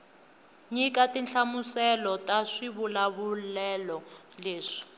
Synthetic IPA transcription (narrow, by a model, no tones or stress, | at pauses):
ɲikatinɬʰamusɛlɔtaʂiβulaβulɛlɔleːʂi̥